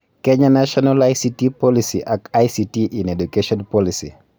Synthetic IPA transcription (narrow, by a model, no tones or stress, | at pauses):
kɛɲanaʃɔnalajsitipɔlisḭʔakajsitiʔinɛdukeʃɔnpɔlisḭ